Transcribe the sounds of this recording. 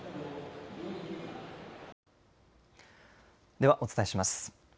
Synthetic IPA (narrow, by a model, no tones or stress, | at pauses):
d̪e̞βaʔo̞t͡sɨ̥t̪aeɕimasɨ̥